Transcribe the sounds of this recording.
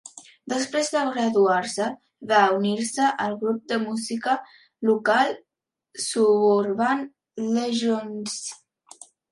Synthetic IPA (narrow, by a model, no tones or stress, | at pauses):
d̪əspɾezd̪əɣɾəðuaɾsə | βauniɾsəʔəlˠɣɾup̚d̪əmuzikə | lukalˠ | suβuɾβan | leʒons